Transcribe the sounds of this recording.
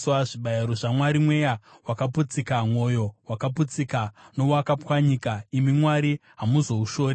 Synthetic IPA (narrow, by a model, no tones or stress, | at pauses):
waʐiɓajaɾoʐamwaɾimwe̞ja | wakaput͡sikamwo̞jo̞wakap̬ut͡sikano̞wakapwaɲikaimimwaɾiɦamuzo̞uʃo̞ːɾe